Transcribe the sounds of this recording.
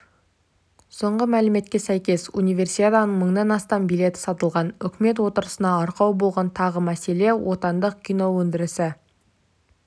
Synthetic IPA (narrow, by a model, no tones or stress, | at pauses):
so̞ɴʁəmælɪme̞t̪kʲe̞sæjkʲe̞sunijvʲe̞rsijt̪et̪ɑnəɴməɴd̪ɑnɑst̪ɑmbijle̞t̪ɪ̥sɑt̪əlˠʁɑnʏkʲɪme̞t̪wo̞t̪əɾəsənɑɑɾqɑwbo̞lˠʁɑnt̪ʰɑʁəmæse̞le̞wʔo̞t̪ɑnd̪əqkʲʰijno̞wɵnd̪ɪɾɪsɪ